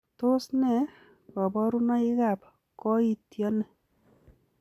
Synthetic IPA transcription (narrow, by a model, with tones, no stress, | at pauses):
t̪o˦snɛ˨ | kɔ˨bɔ˦ɾu˦nɔ˦i˦ka˨p | kɔ˦it̪jɔ˦nɛ˨